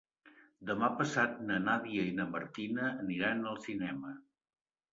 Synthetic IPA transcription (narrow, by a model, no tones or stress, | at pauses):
d̪əmapəsat̪̚nənaβiəinəməɾt̪inəːniɾanəlˠsinɛmə